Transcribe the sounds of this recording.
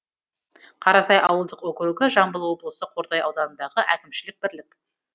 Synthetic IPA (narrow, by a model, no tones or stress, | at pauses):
qʰɑɾɑsɑjʔɑwəlˠd̪əqwɵkʲɾuɡʲɪʒɑmbəlˠwo̞blˠəsəqʰo̞ɾd̪ɑjɑwd̪ɑnənd̪ɑʁəʔækʲɪmʃɪlɪk̚bɪɾlɪk